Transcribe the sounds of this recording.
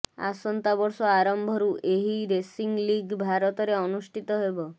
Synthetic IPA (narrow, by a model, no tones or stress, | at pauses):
a̰sɔnt̪abɔɾsɔaɾɔmbʱɔɾuʔeɦiɾesiŋɡliɡbʱaɾɔt̪ɔɾeɔnusʈʰit̪ɔɦebɔ